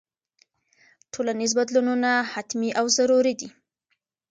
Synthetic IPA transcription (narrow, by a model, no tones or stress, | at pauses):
ʈʰolanizbad̪lununahat̪miʔawzaɾuɾid̪i